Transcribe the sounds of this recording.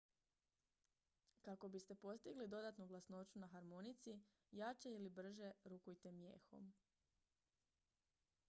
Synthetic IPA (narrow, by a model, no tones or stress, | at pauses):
kako̞bist̪e̞po̞st̪iɡlid̪o̞d̪at̪nuɡlasno̞t͡ʃunaxaɾmo̞nit̪si | jat͡ʃe̞ilibr̩ʒe̞ɾukujt̪e̞mjḛːxo̞̰m